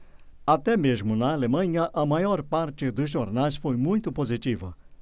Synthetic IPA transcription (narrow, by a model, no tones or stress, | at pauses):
at̪ɛmezmʊnɐːlemɐ̃ɲɐʔɐmajɔɾpaɾt͡ʃɪd̪ʊzʒoɾnajsfojmũj̃t̪ʊpozit͡ʃivɐ̰